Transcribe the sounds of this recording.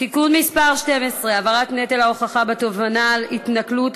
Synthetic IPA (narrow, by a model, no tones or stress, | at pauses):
tikudmispaʁʃte̞mesʁe̞avaʁat̪net̪elaoχaχabet̪ovanalit̪naklut̪